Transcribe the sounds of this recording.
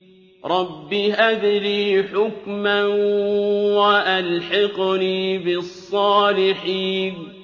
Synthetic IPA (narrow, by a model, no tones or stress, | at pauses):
ɾˤɑbːiʔad̪liːħʊkma | waʔalħɪqliːbɪsˤːɑːlɪħiːn